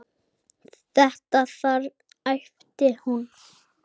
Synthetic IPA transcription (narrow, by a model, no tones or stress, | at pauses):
θɛht̪aθaɾ | ajft̪ɪhun